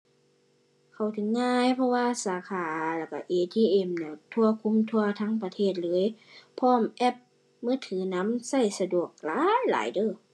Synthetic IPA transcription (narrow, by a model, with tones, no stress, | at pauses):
kʰa˨˩wt̪ʰɯ˨˦ŋːaː˧˥˨jpʰɔ˧waː˧saː˨˦kʰaː˨˩˦lɛ˧˩ka˧˩ʔeː˧˩t̪ʰiː˧˩ʔe˧˩mnɛ˧˩t̪ʰu˧ɐkʰu˧˥˨mt̪ʰu˧ɐt̪ʰaː˧˥˨ŋpa˧t̪ʰeː˧˩t̪̚lɤː˧˦˥jpʰɔː˧˩˨mʔɛ˧˩p̚ | mɯː˧˥˨t̪ʰɯː˨˦na˧˥msa˧˩jsa˧du˨˩ək̚laː˨˦jla̰ː˨˦jdɤː˧˨